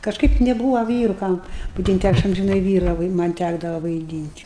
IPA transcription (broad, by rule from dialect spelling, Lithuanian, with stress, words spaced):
kɐʃˈkɐɪp nʲɛˈbuːʋɐ ˈʋʲiːrʊ ˈkɐm ʋɐɪdʲiːnʲtʲ ˈɐʃ ɐmʲʒʲɪˈnɐɪ ˈʋʲiːrɐ ʋɐɪ ˈmɐnʲ ˈtʲæɡdɐʋɐ ʋɐɪˈdʲiːnʲtʲ